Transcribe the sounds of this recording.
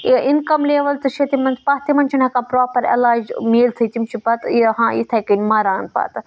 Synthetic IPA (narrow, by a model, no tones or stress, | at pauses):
inkɐmleːʋɐlt͡sɨʃɐt̪imɐnt͡spaɦt̪imɐnʲt͡ʃʰinɐkãːpɾoːpɐɾɐ̰laːd͡ʒmeːlt͡sʰɐt̪imt͡ʃʰipɐt̪iɦãːḭt̪ʰɐjkɐnʲmaːɾaːnpa̰ːt̪